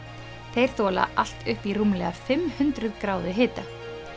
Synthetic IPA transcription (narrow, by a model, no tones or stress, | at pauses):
θejɾ̥θɔːla̰ʔal̥t̪ʏhpiruːmlɛɣafɪmhʏnt̪ɾʏðkɾaːwðʏɦɪːt̪a